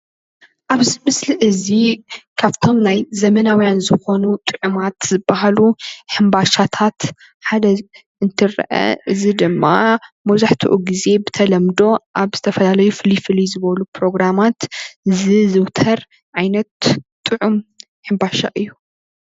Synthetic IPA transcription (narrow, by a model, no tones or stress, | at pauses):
ʔaβzɨmɨsliʔɨzikʰaβt̪ʰo̞mnajzɐmɐnawijanzɨxo̞nut̪ʼɨʕumat̪zɨbːaɦaluħɨmbaʃat̪ʰat̪ | ħad̪ɐ | ɨnt̪ʰɨɾɐ̰ʔɐ̰ʔɨzid̪ɨmːa̰mɐzaħt̪ʰṵʔuɡize̞bɨt̪ʰɐlɐmd̪o̞ʔaβz̥ɨt̪ʰɐfɐlalɐjufɨlifɨlizɨβɐlupʰɾo̞ɡɾamat̪ɨzɨzɨwt̪ʰɐɾ | ʕajnɐt̪ːʼ | ɨʕum | ħɨmbaʃa̰ʔɨjːu